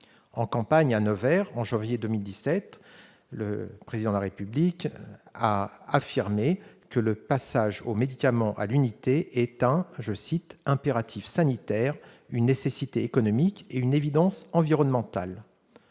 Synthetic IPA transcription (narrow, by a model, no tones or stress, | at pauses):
ɑ̃kɑ̃paɲanɔvɛʁɑ̃ʒɑ̃vjed̪ømild̪isɛt̪ | lə̰pχezid̪ɑ̃d̪laʁepyblikaafiʁmekələpasaʒomed̪ikamɑ̃ʔa̰lynit̪eɛt̪ɛ̃ʒəsit̪ɛ̃peʁat̪ʰifsanit̪ɛʁ | ynːesesit̪eːkɔnɔmikeynevid̪ɑ̃sɑ̃viʁɔnmɑ̃t̪al